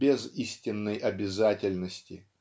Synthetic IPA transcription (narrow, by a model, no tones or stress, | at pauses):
bʲɪzisʲtʲɪnːəjʔɐbʲɪzatʲɪlʲnəsʲtʲɪ